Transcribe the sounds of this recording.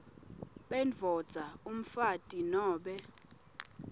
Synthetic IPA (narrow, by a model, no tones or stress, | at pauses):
ɓɛnvʱɔd̥z̥ʱaum̩fatʼinɔːɓɛ